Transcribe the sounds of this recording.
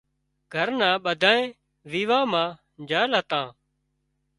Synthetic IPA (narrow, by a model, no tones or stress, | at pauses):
ɡʱəɾnãːɓəd̪ʱaːẽː | ʋiːʋãːmãː | d͡ʒaːlɦət̪ãː